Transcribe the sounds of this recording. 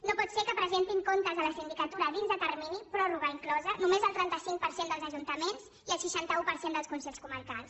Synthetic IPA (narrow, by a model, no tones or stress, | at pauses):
nopɔt̪sekəpɾəzent̪iŋkont̪əzðələsind̪ikət̪uɾəðinzðət̪ərminipɾɔruɣəiŋklɔzənumezəlˠt̪ɾɛnt̪əsiŋk̚pəɾsend̪əlˠzəʒunt̪əmenz | iəlˠsiʃant̪əupəɾsend̪əlˠskunsɛʎskuməɾkalˠs